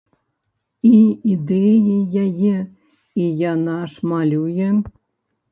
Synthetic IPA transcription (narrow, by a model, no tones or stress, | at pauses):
iid̪ɛjejajɛ | ijanɑʂmalʲujɛ